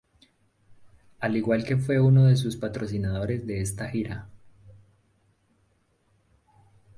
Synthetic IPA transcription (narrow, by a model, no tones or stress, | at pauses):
aliɣwalke̞fwe̞uno̞ðe̞s̬uspat̪ɾo̞sinaðo̞ɾe̞zd̪e̞est̪axiɾa